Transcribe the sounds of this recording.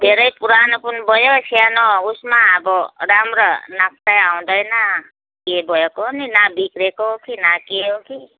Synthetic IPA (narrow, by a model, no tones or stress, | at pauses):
b̪ʱeɾəjpuɾanəpunbɔjosʰianɔusmaːbɔɾamɾənak̚ʰt̪ajaw̃d̪əjna | kebɔjekoninabikɾekoɦkinakeɦoki